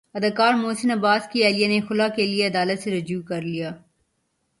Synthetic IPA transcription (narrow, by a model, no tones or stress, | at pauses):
ɐd̪aːkaːɾmoːsɪnɐbaːskiɛːlijanexʊlakelieɐd̪aːlət̪seɾɐd͡ʒuːkɐɾlijaː